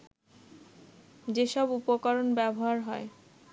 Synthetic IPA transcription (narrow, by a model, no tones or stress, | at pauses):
d͡ʑeʃɔbupokaɾonbɛboɦaɾɦɔe